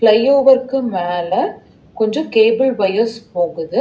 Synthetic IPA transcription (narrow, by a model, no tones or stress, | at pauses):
plɐjoːʋɐɾkɯmaːlɐ | kɔɲd͡ʒɔkeːbɪɭbɐjɐspoːɣɯðɯ